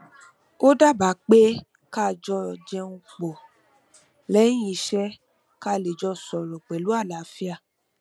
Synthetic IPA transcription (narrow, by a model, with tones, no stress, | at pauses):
o˦da˦˨ba˨˦k͡pe˦ | ka˦˨d͡ʒɔ˧d͡ʒɛ˧ũ˧k͡pɔ˨ | lɛ̃˦ĩ˧ʃɛ˦ | ka˧˦le˨d͡ʒɔ˧sɔ˨ɾɔ˨k͡pɛ˨lu˨˦a˦˨la˨˦fi˦a˦˧˨